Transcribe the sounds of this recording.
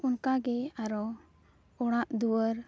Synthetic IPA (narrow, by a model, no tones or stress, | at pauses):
unkaɡɛaɾɔ | ɔɽ̃aʔd̪uwəɾ